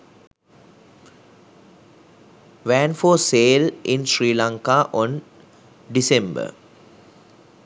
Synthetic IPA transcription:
ʋæ̃nfoːseːlʔĩnsɾiːlãŋkaʔɔ̃n | ɖisẽmbə̰

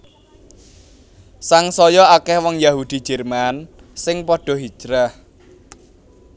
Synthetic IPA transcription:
saŋsɔjɔakɛhwɔŋjaɦud̪̥i̤̥d͡ʒ̥ɛrman | sɪŋpɔɖ̥ɔ̤ɦi̥d͡ʒ̥ɾah

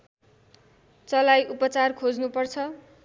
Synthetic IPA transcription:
t͡sʌlajʔupʌt͡sarkʰod͡znupʌrt͡sʰʌ

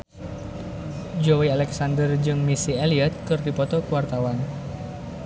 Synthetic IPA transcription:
d͡ʒowialɛksandərd͡ʒɨŋmisieliat̪̚kɨrdipɔt̪ɔkuwart̪awan

